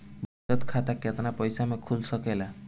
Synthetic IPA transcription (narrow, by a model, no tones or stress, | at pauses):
bɔtɔt̪kʰat̪aket̪ɔnapɔjsamekʰulsɔkela